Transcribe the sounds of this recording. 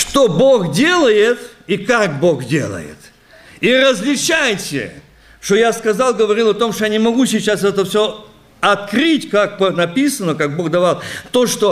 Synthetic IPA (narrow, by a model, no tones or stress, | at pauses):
ʂt̪o̞bo̞xdʲe̞lˠəjɪt̪ikakbo̞xdʲe̞̰lˠə̰jɪ̰t̪ | iɾəzʲlʲɪt͡ɕajtʲɪ̰ | ʂt̪o̞jaskɐzalˠɡəvɐɾʲilˠɐt̪o̞mʂt̪ojanʲɪmɐɡusʲɪt͡ɕːasɛt̪əfsʲo | ɐt̪kɾɨtʲkak̚pənɐpʲisənəkaɡ̚bo̞ɣd̪ɐvalˠt̪o̞ʂt̪o